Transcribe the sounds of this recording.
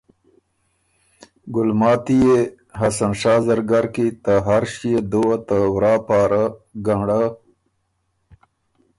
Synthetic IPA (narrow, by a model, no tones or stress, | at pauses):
ɡʊlmɑːt̪ije | ɦasanʂaːzɐɾɡaɾkit̪aɦaɾʃijed̪oat̪əwɾaːpaːɾaɡaɳɽa